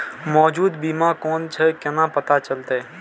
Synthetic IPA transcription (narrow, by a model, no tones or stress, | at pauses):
mɔːd͡ʒuːd̪bimakɔːnt͡ʃʰɛkɛnapət̪at͡ʃəlt̪e